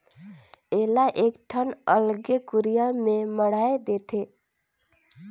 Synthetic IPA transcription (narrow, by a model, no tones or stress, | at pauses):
elaʔeːkʈʰənəlɡekuɾijamẽməɽ̤aed̪et̪ʰe